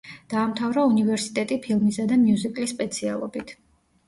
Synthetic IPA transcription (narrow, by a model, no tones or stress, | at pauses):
d̪̥aːmt̪ʰavɾaunivɛɾsi̥t̪ʼɛt̪ʼipʰilˠmisad̪amijuzikʼlispʼɛt̪sʰialˠɔbit̪ʰ